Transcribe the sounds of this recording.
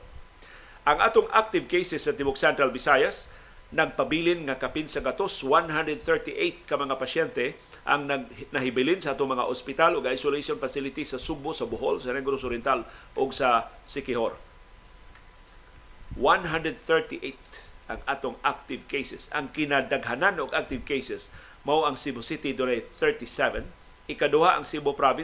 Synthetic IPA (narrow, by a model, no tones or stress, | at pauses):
ʔɐŋʔa̰ːt̪oŋak̚t̪ɪvkejsɛsːɐt̪ɪbʊk̚sɛnt̪ɾalbɪsajas | nɐɡ̚pɐbilɪnŋakɐpɪnsɐɡat̪oswanɦand̪ɾɛd̪̚θɛɹt̪iʔejt̪̚kɐmɐŋapɐʃɛnt̪ɛ | ʔa̰ŋnaɡnɐɦɪbɪlɪnsɐʔaːt̪oŋmɐŋa̰ʔospɪt̪alʊɡaajsʊlejʃonfasɪlɪt̪isɐsʊbʊsɐbʊɦo̰lsɐnɛɡɾosʊɾɛnt̪alʔoɡsɐ | sɪkɪɦoɾ | wanɦand̪ɾɛd̪̚θɛɹt̪iʔejt̪ʔaŋʔat̪oŋʔak̚t̪ɪvkejsɛsʔɐ̰ŋkɪnad̪aɡɦananoɡʔak̚t̪ɪvkejsɛs | mawʔɐŋsibosit̪id̪onajθɛɹt̪isɛvɛn | ʔɪkad̪ʊhaʔɐŋsibʊpɾavɪ